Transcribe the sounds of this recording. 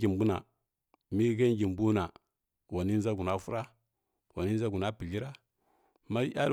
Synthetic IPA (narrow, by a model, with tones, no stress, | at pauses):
ɡi˨mbu˦na̰˨ | mi˦ɡa˦ŋɡi˨mbu˦na˨ | wa˨ni˦n˦za˦ɡu˨na˦fu˦ɾa˦ | wa˨ni˦za˦ɡu˨na˦pi˨li˦ɾa˦ | ma˦ja̰˦ɾ